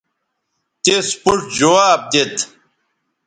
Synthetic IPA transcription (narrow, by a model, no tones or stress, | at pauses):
t̪espuʈd͡ʑowaːp̚t̪et̪